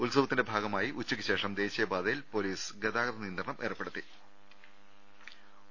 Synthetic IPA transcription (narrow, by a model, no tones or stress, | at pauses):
ulsɐbɐt̪ːindebʱaːɡɐmaːjiʔut͡ɕːukʲːɨɕe̞ːʂɐmd̪e̞ːɕijɐbaːd̪ɐjilpo̞ːliːsɡed̪aːɡɐd̪ɐniːnd̪rɐɳɐmʔḛːrɐpːe̞ɽut̪ːi